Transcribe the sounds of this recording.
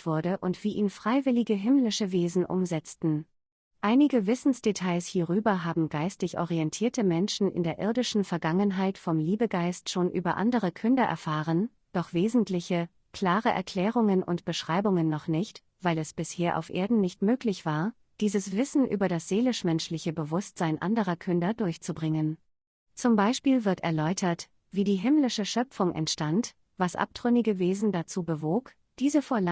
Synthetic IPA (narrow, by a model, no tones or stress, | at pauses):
v̥ʊɐdəʔʊntv̥iːʔiːnfʁ̥aɪvɪlɪɡəɦɪmlɪʃəveːzn̩ʔʊ̰mzɛt͡stn̩ | ʔaɪnɪɡəvɪsn̩sd̥etʰaɪshiːʁyːbɐɦaːbm̩ɡaɪstɪçʔɔ̰ʁiɛntʰiːɐtəmɛnʃn̩ɪ̰ndeːɐʔɪɐdɪʃn̩fɛɐɡaŋənɦaɪtfɔmliːbəɡaɪstʃoːnʔyːbɐʔa̰ndəʁ̞əkʰʏndɐʔɛ̰ɐfaːʁən | d̥ɔχv̥eːzn̩tlɪçə | kʰl̥aːʁəʔɛ̰ɐkʰl̥ɛːʁ̞ʊŋənʔʊ̰ntb̥əʃʁ̥aɪbʊŋənːɔχnɪçt | v̥aɪlɛsb̥ɪsheːɐʔa̰ʊfʔḛːɐdn̩nɪçtmøːklɪçv̥aːɐ | d̥iːzəsv̥ɪsn̩ʔyːbɐɾasz̥eːlɪʃmɛnʃlɪçəbəvʊstz̥aɪnʔa̰ndəʁɐkʰʏndɐdʊɐçt͡subʁɪŋən | t͡sʊmbaɪʃpiːlvɪɐtɛɐlɔʏtʰɐt | v̥iːdiːɦɪmlɪʃəʃœpp͡fʊŋʔɛ̰ntʃtant | v̥asʔa̰p̚d̥ʁ̥ʏnɪɡəveːzn̩dat͡suːbəvoːk | d̥iːzəfoːɐl